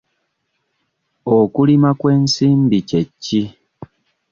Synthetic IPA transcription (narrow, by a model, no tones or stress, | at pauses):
okulimakwe̞ːnsiːmbicecːi